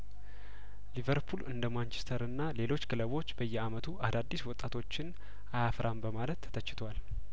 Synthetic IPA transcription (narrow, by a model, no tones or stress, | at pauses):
livəɾpʰulɨnd̪əmant͡ʃɛ̥st̪ʰəɾɨnːale̞lo̞t͡ʃːɡɨləβo̞t͡ʃːb̥əjːɛamət̪ʰuʔad̪ad̪ːiswɔt̪ʼːat̪ʰo̞t͡ʃːɪn | ʔajafɾʔambəmalət̪ːʰət͡ʃːɪ̥t̪ʰwal